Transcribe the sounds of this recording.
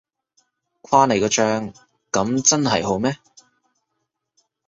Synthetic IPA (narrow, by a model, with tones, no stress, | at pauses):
kʰaː˥ne˨˩jkɔː˧t͡ʃœː˧ŋ | kɐ˨˥mt͡sɐ˥nɦɐ˨jɦo˨˥wmɛː˥